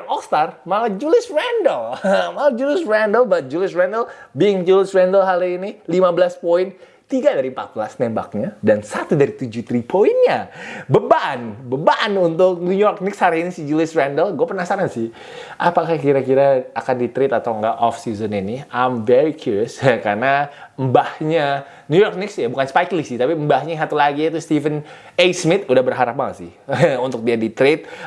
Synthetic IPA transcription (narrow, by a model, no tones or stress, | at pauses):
rɔkst̪armaad͡ʒulɪsrɛndəlmaud͡ʒulɪsɹɛndəlbat̪̚d͡ʒulɪsrɛndəlbiŋd͡ʒulɪsɾɛndəlɦaliinilimabəlaspoɪn | t̪iɡadaɾimpat̪̚bəlasnɛmba̰k̚ɲadansat̪udaɾit̪ud͡ʒut̪ɾipʰoinɲabəbanbəbanunt̪ʊk̚njujɔrk̚nɪkshaɾiinisid͡ʒulɪsrɛndəlɡuapənasaɾansɪh | apakahkiɾakiɾaakandit̪ɾɪt̪at̪awŋɡaʔʔɔfsizəniniajmvɛɾikʰuɾjəsakarnambahɲa | njujɔrk̚nɪksjabukanspajklisɪht̪apimbahɲaɦat̪ulaɡiit̪ust̪ifən | ejsmɪt̪udahbərɦaɾap̚maŋasɪhunt̪ʊk̚diadit̪ɾɪt̪̚